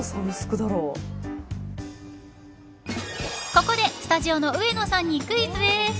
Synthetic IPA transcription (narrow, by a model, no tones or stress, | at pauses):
sãmʲisɨ̥kɯ̟d̪aɾoː | ko̞ko̞d̪e̞sɨ̥t̪aʑio̞no̞ɯ̟e̞no̞sãɲ̟ːikɯ̟it͡sɨd̪e